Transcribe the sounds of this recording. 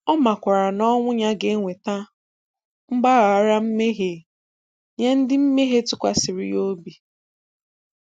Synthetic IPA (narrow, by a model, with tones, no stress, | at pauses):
ɔ˦ma˨kʷa˨ɾa˨nɔ˦ŋʷʊ˦ɲa˦ɡe˨˦ŋʷe˨ta˦ | ŋ͡m̩˦ɡ͡ba˦ɣa˨a˨ɾa˦m̩˦me˦ɦe˨ | ɲe˦n̩˦dɪ˦m̩˦me˦ɦe˦tʊ˦kʷa˨sɪ˨ɾɪ̰˨jo˦bi˨